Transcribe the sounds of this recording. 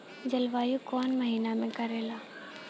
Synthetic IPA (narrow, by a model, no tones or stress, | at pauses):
d͡ʒɐlʋaːjukɔːnmɐɦiːnamẽkɐɾeːlaː